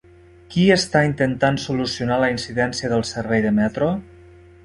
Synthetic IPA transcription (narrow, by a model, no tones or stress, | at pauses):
kiəst̪aint̪ənt̪ansulusiunaləinsiðɛnsiəðəlˠsəɾβɛjðəmɛt̪ɾo